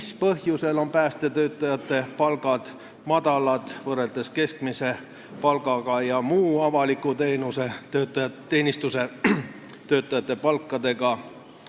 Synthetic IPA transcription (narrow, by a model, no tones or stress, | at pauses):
spɤɦjuse̞lo̞mpæːst̪e̞t̪ø̞ːt̪ˑːɑjɑt̪ːˑe̞pɑlɡɑd̪̥ | mɑd̪ɑlɑd̪̥vɤre̞ld̪̥e̞ske̞skmise̞ | pɑlɡɑɡ̥ɑjɑmuːɑvɑlikut̪e̞ːnuseøt̪ːˑɑ | e̞ːnist̪use̞ | t̪ø̞ːt̪ːˑɑjɑt̪ˑːe̞pɑlkˑːɑd̪̥e̞ɡ̥ɑ